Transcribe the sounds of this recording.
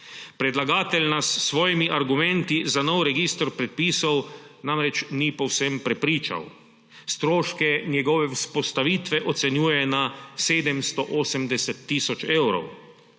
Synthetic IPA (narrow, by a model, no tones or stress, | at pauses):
pɾɛd̪laɡaːt̪ɛlnasːʋɔːjimiʔaɾɡumɛ̃nt̪izanɔwɾɛɡist̪ɾpɾɛt̪̚piːsɔw | namɾɛt͡ʃnipɔwsɛmpɾɛpɾiːt͡ʃa̰w | st̪ɾoːʃkɛnjɛɡɔʋɛwspɔst̪aʋiːt̪ʋɛʔɔt̪sɛnjuːjɛnaseːd̪ɛmst̪ɔʔoːsəmd̪ɛsɛt̪ːiːsɔt͡ʃewɾɔ̰w